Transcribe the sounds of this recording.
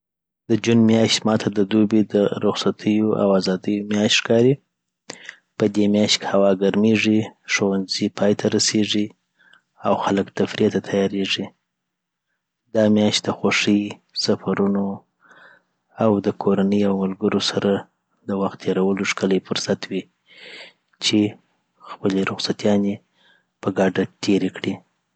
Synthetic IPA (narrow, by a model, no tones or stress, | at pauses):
d̪əd͡ʒunmjɑʃt̪mɑt̪ʰad̪əd̪ubed̪əɾʊxsat̪ʰəjoʔa̰wazɑd̪əjomjɑʃt̪ʂkɑɾi | pəd̪emjɑʃt̪khawɑɡaɾmeʐiʂowanzipʰɑjt̪ʰaɾaseʐi | awxaləkt̪afɾiat̪at̪ʰajɑɾeʐi | d̪ɑmjɑʃt̪d̪əxoʂəjsafaɾuno | awd̪əkʰoɾanəjawmʊlɡəɾosaɾa | d̪əwaxt̪̚ːʰeɾawəloʂkələjfʊɾsat̪wi | t͡ʃe | xpəleɾʊxsat̪jɑne | pəɡɑɖat̪ʰeɾekɽi